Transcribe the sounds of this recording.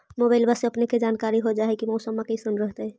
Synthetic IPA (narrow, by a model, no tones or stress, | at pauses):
mobaɪlbaseəpneked͡ʒankaɾiɦod͡ʒaɦɛkimɔsəmːakesənɾəɦt̪əj